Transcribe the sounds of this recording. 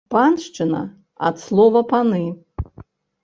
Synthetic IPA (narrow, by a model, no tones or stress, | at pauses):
panʂt͡ʂɨnɐ̰ | a̰t̪slˠɔvɐpanɨ